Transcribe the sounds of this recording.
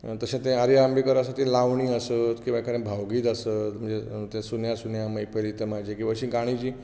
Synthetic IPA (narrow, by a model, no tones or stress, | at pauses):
t̪əsẽt̪ẽaɾiambikəɾasat̪ʰĩlaʋɳĩːəsət̪kĩʋakaɾẽbʱawɡiːt̪əsət̪m̤əɳd͡zet̪ẽsunjasunjaməjpəjlit̪əmad͡ʑʱekĩʋaəɕĩɡaɽ̃it͡ɕiː